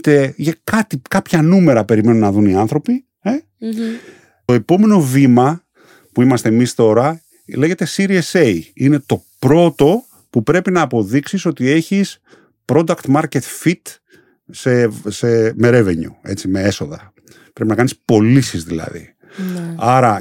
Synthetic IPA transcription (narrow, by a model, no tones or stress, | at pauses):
t̪eʝekɐt̪ikɐpçɐnume̞ɾɐpe̞ɾime̞nunɐðuniɐnθɾo̞pi | e | t̪o̞e̞po̞me̞no̞vimɐ | puimɐst̪eːmist̪o̞ɾɐ | le̞ʝe̞t̪e̞siɾieseiine̞t̪o̞pɾo̞t̪o̞ | pupɾe̞pinɐːpo̞ðiksiso̞t̪ie̞çis | pɾo̞d̪ɐkt̪mɐɾce̞t̪fit̪ | se̞seme̞ɾe̞ve̞ɲṵe̞̰t͡sime̞e̞so̞ðɐ | pɾepinɐkɐnispo̞lisizðilɐ̰ðḭ | ɐɾɐ